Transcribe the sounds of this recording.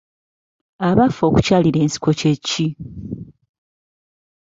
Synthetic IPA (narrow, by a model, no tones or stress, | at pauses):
aβafo̞ːku̥caːliɾe̞ːnsi̥ko̞ce̞cːi